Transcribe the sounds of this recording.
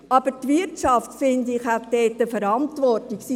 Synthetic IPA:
ʔɑb̥ətʋɪɾtʃɑftfɪndɪχhætdɛːt̪ːəfəɾɑntʋɔrtiksi

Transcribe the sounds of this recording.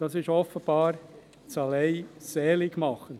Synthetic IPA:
d̥ɑsɪʃɔfəb̥ɑːɾ | t͡sɑleɪsɛːlɪɡmɑχən

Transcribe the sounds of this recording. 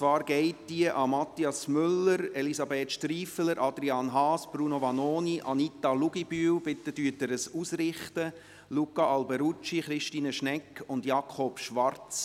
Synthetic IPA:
t͡sʋɑːɾɡ̥ɛɪtd̥iəʔɑmɑt̪ːiɑsmʏlːəɾelisɑbeːtʃtɾiːfələɾʔɑd̪ɾiɑnɦɑːsb̥ɾuːnoʋɑnoːniʔɑnit̪ːɑluɡib̥yːwbɪt̪ːədyətəɾəsusɾɪχtə | lukːɑʔɑlbɛɾut͡ʃiχɾɪʃtiːnəʃnɛkːʊndjɑkʰχɔpʃʋɑɾt͡s

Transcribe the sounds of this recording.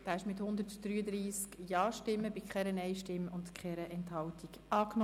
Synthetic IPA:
d̥aːɪʃmɪthʊnd̪ətd̥̪ɾyːəd̪ɾiːskjɑːʃtɪmːəbikʰχɛɾənɛɪʃtɪmːʊntkχɛɾəʔɛnthɑltikɑːknɔ

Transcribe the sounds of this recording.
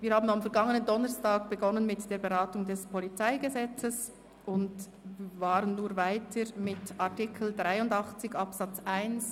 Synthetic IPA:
viːɾhaːbnamfɛɐɡɑŋənəndɔnəstaːɡ̚b̥əɡɔnənmɪtd̥eːɐbeʁaːtʊŋdɛspʰɔlit͡saɪɡəzɛt͡səs | ʔʊnd | vaːɾənːuːɾvaɪtʰəɾmɪtaʁtɪkʰl̩dʁaɪʊndɑχt͡sɪçɑpsat͡sʔaɪns

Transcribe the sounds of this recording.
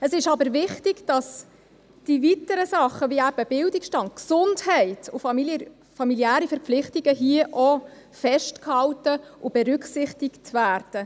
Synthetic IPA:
əsɪʃɑbəɾvɪχtɪɡ̥d̥ɑs | d̥ivitəɾəsɑχːəviæb̥əb̥ɪldɪkʃtɑntksʊndhɛɪtʰʊfɑi | fɑmiljæːɾifɛɾpflɪχtiɡ̥əɦiəʔɔ | fɛʃtkhɑltəʔʊb̥ɛɾʏkχsɪχtɪktvæːrd̥ə

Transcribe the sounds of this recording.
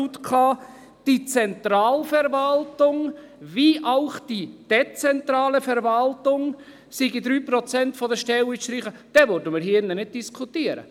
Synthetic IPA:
ut̪kʰɑː | d̥it͡sɛntɾɑːlfɛɾvɑltʊŋ | viʔaʊχd̥id̥ɛt͡sɛntɾɑːləfɛɾvɑltʊŋ | siɡid̪ɾyːprɔt͡sɛntfɔdəʃtɛliʃtɾiχəd̥ɛvøɾdəmɪːɾhinənɪd̚d̥iskʰutiəɾə̰

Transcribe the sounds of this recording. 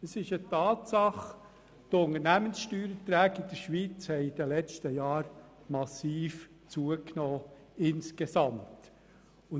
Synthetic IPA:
əsɪʃətɑːtsɑχ | tʊnəɾnæmənsʃtyːɾətɾæːɡɪd̥̪əɾʃʋit͡shɛɪid̥̪əlɛt͡stəjɑːɾ | mɑsiːf | t͡suəknoː | ɪnskesɑmt | ʊ

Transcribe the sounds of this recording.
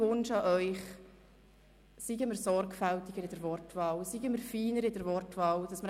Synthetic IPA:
ʊnʃɑʔœʏχ | siɡəmɪɾsɔrkfælt̪iɡ̥əɾɪd̥əɾvɔrtvɑːlsiɡəməɾfiːnəɾɪdəɾvɔrtvɑːld̥ɑsməɾ

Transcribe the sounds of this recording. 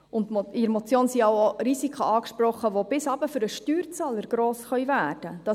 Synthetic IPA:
ʊntmidɾmot͡sjoːnsiɑwoɾisikʰəɑːkʃpɾɔχːəʋob̥ɪsɑːbəfʏɾəʃtyːɾt͡sɑːləɾɡ̥ɾoːsχœʏvæːɾd̥əd̥ɑ

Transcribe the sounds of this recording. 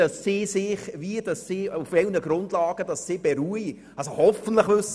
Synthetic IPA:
ɑsːisɪχviədɑsːiːufʋɛlnəɡ̥ɾʊndlɑːɡ̥əd̥ɑsːɪb̥eɾyəj | ɑlsohɔfən̩tləχʋɵs

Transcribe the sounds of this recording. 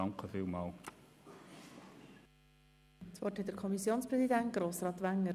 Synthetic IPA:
ɑŋkəfiːlmɑːl | t͡svɔthɛt̚dəɾkʰɔmisjoːnspɾɛsid̪ænt̚ɡ̥ɾoːsɾɑːt̪ʋæŋːə

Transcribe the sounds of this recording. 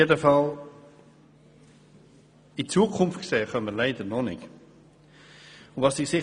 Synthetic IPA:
edəfɑl | it͡suːəkʰʊmftkseːχœnməɾlaɪdəɾnɔnɪ̰k | ʊnvɑsɪχsɪ

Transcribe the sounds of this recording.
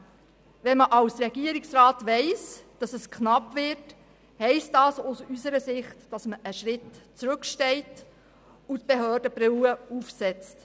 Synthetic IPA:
ʋɛnməʔɑwsɾɛɡiəɾiksrɑːtʋɛɪsd̥ɑsəskχnɑpvɪrt | hɛɪstdɑːsʊsysəɾəsɪχtd̥ɑsməʔəʃɾɪtt͡sɾʉkʃtɛɪt | ut̪̚b̥eɦøːɾd̥əb̥ɾɪwəufsɛt͡st

